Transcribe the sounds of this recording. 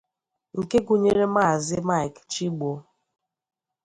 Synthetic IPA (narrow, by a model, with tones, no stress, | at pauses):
ŋ̩˨ke˦ɡu˨ɲe˦ɾe˦ma˦˨zɪ˦ma˦˨jkt͡ʃi˦ɡ͡bo˨˦